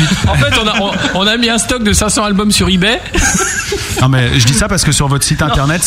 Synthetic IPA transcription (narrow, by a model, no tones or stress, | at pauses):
ɑ̃fɛt̪ɔ̃naɔ̃ɔ̃namiɛ̃st̪ɔk̚d̪əsɛ̃sɑ̃albɔmsyʁibɛ | nɔ̃mɛʒəd̪isapaʁsə̥kəsyʁvɔt̪χəsit̪ɛ̃t̪ɛʁnɛt̪